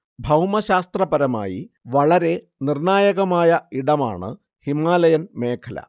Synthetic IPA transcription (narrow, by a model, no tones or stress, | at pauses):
bʱɐwmɐɕaːst̪rɐbɐɾɐma̰ːji | ʋɐɭɐɾe̞ | nirɳaːjɐɣɐmaːjɐiɽɐma̰ːɳɨ̰ | himaːlɐjɐnme̞ːkʰɐlɐ̰